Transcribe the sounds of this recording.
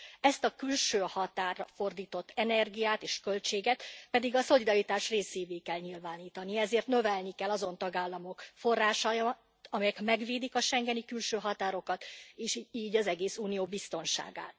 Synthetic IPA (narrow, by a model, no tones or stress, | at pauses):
ɛst̪ɒkylʃøːhɒt̪aːrɒfo̞rd̪iːt̪o̞t̪ʰːɛnɛrɡijaːt̪eːʃkø̞lt͡ʃeːɡɛt̪pɛd̪iɡɒso̞lid̪ɒɾit̪aːʃreːseːveːkɛlɲilvaːniːt̪ɒniɛzeːrt̪nø̞vɛlnikɛlːɒzo̞nt̪ɒɡaːlːɒmo̞kfo̞rːaːʃɒj | t̪ɒmɛjɛkmɛɡʋeːd̪ikɒʃɛŋɡɛnikylʃøːɦɒt̪aːɾo̞kɒt̪eːʃiːɟɒzɛɡeːsuːnijoːbist̪o̞nʃa̰ːɡa̰ːt̪̚